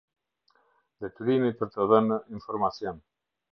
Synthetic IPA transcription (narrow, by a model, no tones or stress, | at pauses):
d̪ɛt̪uɾimipəɾt̪əðəninfɔɾmasjɔn